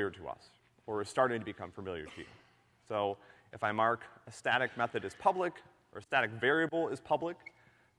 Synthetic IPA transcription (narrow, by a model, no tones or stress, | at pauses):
jə˞ɾɨ̰ʌ̰s | ə˞ɨ̥stɑɹɾɪ̃ŋtʰɨbɨkʰʌ̃ɱfə˞mɪlˠjə̰˞ɾɨjʉ̰ | soʊ | ʔɨfaɪmɑɹkɨstæɾɨk̚mɛθɨɾɨz̥pʰʌblɨk | ə̰˞ɨstæɾɨkvɛɹiɨbl̩ˠɪz̥pʰʌblək